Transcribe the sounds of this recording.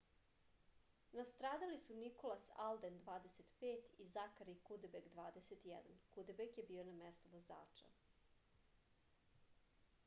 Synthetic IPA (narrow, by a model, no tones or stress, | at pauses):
nast̪ɾaːd̪alisuniko̞lasa̰ld̪end̪ʋaːd̪eset̪peːt̪izakaɾikud̪ebeɡd̪ʋaːd̪eset̪jɛ̰d̪ankud̪ebeɡjebiːonamest̪uʋoza̰ːt͡ʃa̰